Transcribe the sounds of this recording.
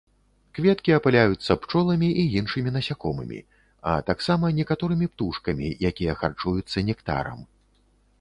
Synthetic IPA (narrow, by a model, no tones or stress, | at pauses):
kvʲɛt̪kʲiɐpalʲajut̪sːɐpt͡ʂɔlˠɐmʲiʔijinʂɨmʲinɐsʲakɔmɨ̰mʲḭ | ɐ̰t̪aksamɐnʲɛkat̪ɔɾɨmʲipt̪uʂkɐmʲḭjakʲijɐxa̰rt͡ʂujut̪sːɐnʲɛkt̪a̰ɾɐ̰m